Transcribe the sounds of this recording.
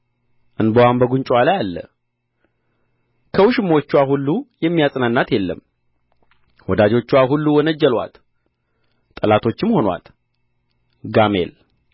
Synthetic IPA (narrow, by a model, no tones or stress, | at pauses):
ʔɨnbəwambəɡuɲt͡ʃʼwalajalːə̰ | kʰəwʊʃɨmo̞t͡ʃːuwaɦulːujɛmːijasʼnanːat̪jɛlːə̰m | wɔd̪ad͡ʒo̞t͡ʃːuwaɦulːuwɔnəd͡ʒːəlwa̰t̪ | əlat̪ʰo̞t͡ʃːɪmho̞nwa̰t̪ | ɡamḛl